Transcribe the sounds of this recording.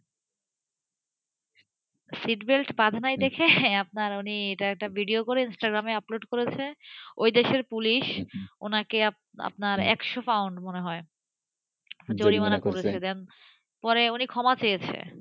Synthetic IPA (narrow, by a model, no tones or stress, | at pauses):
siʈbelʈpad̪ʱanajd̪ekʰeap̚naɾunieʈaɛk̚ʈabʱiɖiokoɾeinsʈaɡɾameaploɖkoɾet͡ɕʰeojd̪eʃeɾpuliʃo̰nakea | a̰pnaɾɛ̰kʃofawɳɖmoneɦɔe | d͡ʑoɾimanakoɾet͡ɕʰed̪ɛn | pɔɾeunikʰɔmat͡ɕejet͡ɕʰḛ